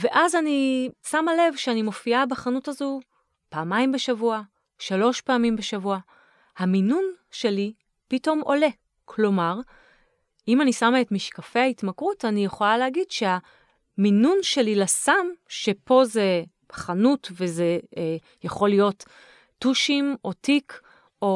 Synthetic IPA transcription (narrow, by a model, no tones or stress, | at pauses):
ve̞ʔazanisamale̞vʃeanimo̞fiabaχanutazu | paːmaimbe̞ʃavua | ʃalo̞ʃpaːmimbeʃavua | haminunʃe̞li | pito̞mʔo̞le̞ | kʰlo̞maʁ | imanisamaetmiʃkafehaitmakʁutanijeχo̞laleaɡidʃe̞ha | minunʃe̞lilasamʃe̞po̞ze̞ | χanutve̞ze | jaχo̞lijo̞tː | uʃimʔo̞tik | ʔo